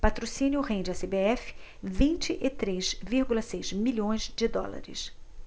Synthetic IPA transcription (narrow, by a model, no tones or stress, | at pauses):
pat̪ɾosĩnjʊhẽd͡ʒɪasebeɛfɪ̥ | vĩnt͡ʃɪʔɪt̪ɾezviɾɡulɐsejzmilʲõj̃zd͡ʒɪd̪ɔ̰la̰ɾɪ̰s